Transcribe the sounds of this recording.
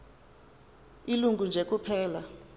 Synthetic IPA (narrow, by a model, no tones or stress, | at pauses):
iluŋɡʱund͡ʒʱek̬upʰɛːla